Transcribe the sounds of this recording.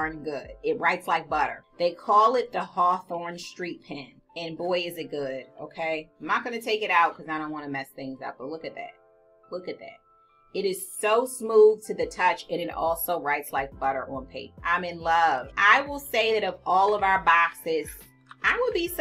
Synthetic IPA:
ə̃˞nɡʊdɪt̚ɹaɪtslaɪk̚b̥ʌɾə̰˞ðeɪkʰɔlˠɪt̪̚ðəhɔθɔɹnstɹ̥it̚pʰɪ̃n | ɨ̃nbɔɪɨzɨt̚ɡ̥ʊd̥ʔo̰ʊkʰeɪãɪ̃mnat̚ɡ̥ʌnɨtʰeɪkɨɾaʊt̚kʰʌzaɪdõʊ̃nʔwɑ̃nɨmɛsθɪ̃ŋza̰ʊt̚b̥ʌt̚ˡlʊkɨt̪̚ðæ̰t̚ | lʊkɨt̪̚ðæ̰t̚ | ɨɾɨz̥soʊsmuð̥tʰɨðɨtʰʌt͡ʃɨ̃ñɨɾɔ̰lˠsoʊɹaɪtslaɪk̚b̥ʌɾə̰˞ʔə̃npʰeɪkʔã̰ɪ̃mɨ̃nlʌv̥ʔaɪwɪlˠseɪðɨɾʌvɔlˠʌvaʊə˞bɑksɪz̥ | ʔaɪwəd̚bis

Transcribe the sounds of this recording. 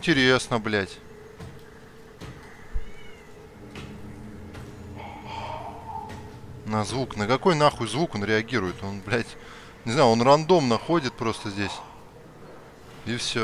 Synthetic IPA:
ɪnʲtʲɪɾʲesnəblʲætʲ | nəzvuknəkɐko̞jnaxʊjzvuko̞nɾʲɪɐɡʲiɾʊjɪt̪o̞nblʲætʲ | nʲɪznajʊo̞nrɐnd̪o̞mnɐxo̞dʲɪt̪̚pɾo̞st̪əzʲdʲesʲ | ifsʲo

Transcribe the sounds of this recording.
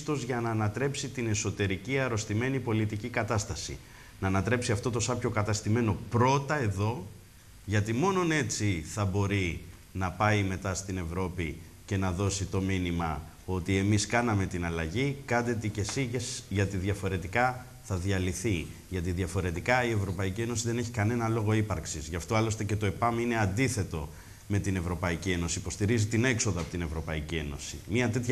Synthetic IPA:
t̪o̞zʝɐnɐːnɐt̪ɾe̞psit̪ine̞so̞t̪e̞ɾiciɐɾo̞st̪ime̞nipo̞lit̪icikɐt̪ɐst̪ɐsḭ | nɐːnɐt̪ɾe̞psiɐft̪o̞t̪o̞sɐpço̞kɐt̪ɐst̪ime̞no̞pɾo̞t̪ɐe̞ðo̞ | ʝɐt̪imo̞no̞ne̞t͡siθɐbo̞ɾi | nɐpɐjme̞t̪ɐst̪ine̞vɾo̞pi | ce̞nɐðo̞sit̪o̞minimɐ̰ | o̞t̪ie̞miskɐnɐme̞t̪inɐlɐʝikɐd̪et̪ice̞siʝesʝɐt̪iðʝɐfo̞ɾe̞t̪ikɐ | θɐðjɐliθiʝɐt̪̬iðʝɐfo̞ɾe̞t̪ikɐie̞vɾo̞pɐicie̞no̞siðe̞ne̞çi̥kɐne̞nɐlo̞ɣo̞ipɐɾksizʝɐft̪o̞ɐlo̞st̪e̞ce̞t̪o̞epɐmine̞ɐnd̪iθe̞t̪o̞ | me̞t̪ine̞vɾo̞pɐicie̞no̞siipo̞st̪iɾizit̪ine̞kso̞ðɐpo̞t̪ine̞vɾo̞pɐicie̞no̞̰sḭmɐt̪e̞t̪ç

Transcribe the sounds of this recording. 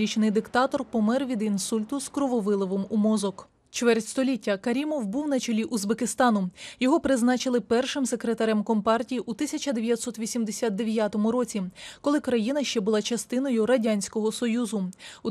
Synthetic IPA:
it͡ʃnɪjd̪ɪkt̪ɑt̪ɔrpɔmɛrʋʲid̪insulʲt̪ʊskɾɔʋɔʋɪlˠɔʋɔmumɔzɔk | t͡ʃʋɛrtʲst̪ɔlʲitʲːɐkɐɾʲimɔwbuwnɐt͡ʃɔlʲiʔuzbekɪst̪ɑnʊjɔɦɔpɾɪznɑt͡ʃɪlˠɪpɛrʃɪmse̞kɾet̪ɐɾɛmkɔmpɑrtʲijiʔut̪ɪsʲɐt͡ʃɐd̪eʋʲjɐt̪sɔt̪ʋʲisʲimd̪esʲat̪̚d̪eʋʲjat̪ɔmʊɾɔt͡sʲikɔlˠɪkɾɐjinɐʃt͡ʃɛbʊlˠɑt͡ʃɐst̪ɪnɔjʊɾɐdʲanʲsʲkɔɦɔsɔjuzʊu

